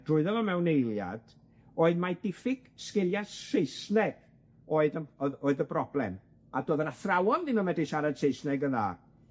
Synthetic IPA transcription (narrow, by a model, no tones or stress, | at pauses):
d̥rʊɨðɔvɔmɛwnejlˠja̰d̥ | oːɨðmadɪfɪɡ̥skɪlˠjasejsnɛɡ̥ | oːɨðəoːɨðəbrɔblɛ̰m | adoːðənaθrawɔnðɪnənmɛdiʃaɾad̥sejsnɛɡəða̰